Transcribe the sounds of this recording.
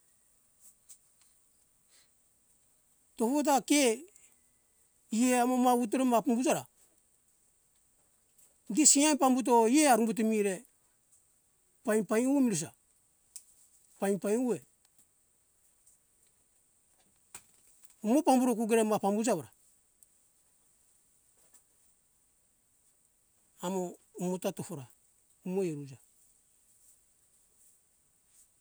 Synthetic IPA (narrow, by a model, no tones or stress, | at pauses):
topot̬ake | ijeamamaut̬uɾemapumbud͡ʒaɾa̰ | disiajnpambut̬oijeaɾumbut̬omiɾe | pajnpajuemiɾus̬a̰ | pajnpajnue | umopambuɾok̬uɡeɾemapambud͡ʒaβaɾa | amoumotatofoɾa | umoeɾud͡ʒa